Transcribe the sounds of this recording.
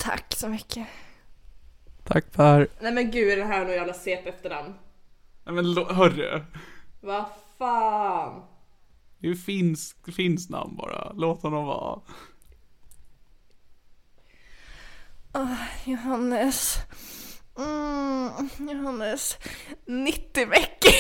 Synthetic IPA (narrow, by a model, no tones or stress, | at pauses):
t̪ʰa̰kːsɔmʏkʰːə | t̪ʰakːpʰæɾnɛmɛnɡʉ̟ːd̪ɛdɛnɦæːɾnuːjæːvlaseːpɛft̪əɳamnnɛmɛnloɦœɾːɵ̰ | vafɑːn | d̪fɪnsfɪnsna̰mnbɑ̰ːɾa̰loːt̪hɔnːɔmvɑ̰ː | ɔjʊɦanːəs | jʊɦanːəs | nɪt̪ːɪvɛkːə